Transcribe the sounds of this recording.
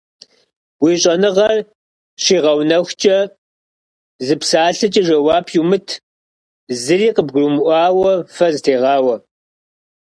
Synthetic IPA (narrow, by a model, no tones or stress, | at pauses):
wiɕʼɐnɨʁɐr | ɕiːʁɐwnɐxʷt͡ʃʼɐ | zɨpsaːɬɨt͡ʃʼɐʒɐwaːpʰjumɨtʰ | zɨɾiːqəbɡʷrumʔʷɑːwɐfɐzɨtʰeːʁɑːwɐ